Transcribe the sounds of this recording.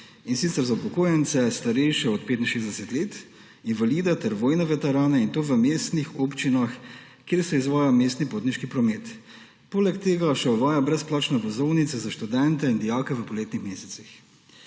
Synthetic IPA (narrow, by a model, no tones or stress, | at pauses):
insit̪sɛɾzaupɔkoːjɛnt̪sɛst̪aɾɛjʃɛɔt̪̚peːt̪inʃeːzd̪ɛsɛt̪leːt̪ | invaliːd̪at̪ɛɾʋoːjnɛʋɛt̪ɛɾaːnɛint̪oːʋəmeːst̪nixoːpt͡ʃinax | kjeːɾsɛizʋaːjameːst̪nipoːt̪niʃkipɾɔmeːt̪ | poːlɛkt̪eːɡaʃɛɔʋaːjabɾɛsplaːt͡ʃnɛʋɔzɔwnit̪sɛzaʃt̪ud̪ɛnt̪ɛind̪ijakɛʋəpɔleːt̪nixmeːsɛ̥t̪six